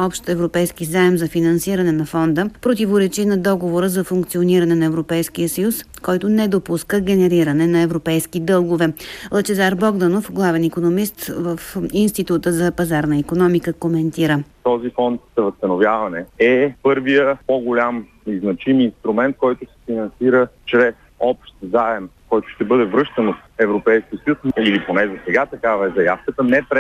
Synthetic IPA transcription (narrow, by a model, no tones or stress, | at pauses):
ɔpʃt̪ɛvɾopɛjskizaɛmzɐfinɐnsiɾɐnɛnɐfɔnd̪əpɾot̪ivoɾɛt͡ʃinɐd̪ɔɡovoɾəzɐfuŋkt̪sioniɾɐnɛnɐɛvɾopɛjsk̟ijəsəjus | kɔjt̪ʊnɛd̪opuskəɡʲɛnɛɾiɾɐnɛnɐɛvɾopɛjskid̪ɤlˠɡovɛlˠət͡ʃɛzaɾbɔɡd̪ɐnofɡlˠavɛnikonomist̪vəfinst̪it̪ut̪əzɐpɐzaɾnəikonɔmikəkomɛnt̪iɾət̪ɔzifɔnt̪̚zɐvəst̪ɐnovjavɐnɛɛpɤɾvijəpoɡʊlʲamniznɐt͡ʃiminst̪ɾumɛnt̪̚kɔjt̪ʊsɛ̥finɐnsiɾət͡ʃɾɛsɔpʃt̪zaɛmkɔjt̪ʊ̥ʃt̪ɛbɤd̪ɛvɾɤʃt̪ɐnot̪ɛvɾopɛjskʲiəsjusiliponɛzɐsɛɡat̪ɐkavɐɛzɐjafkət̪ənɛpɾɛ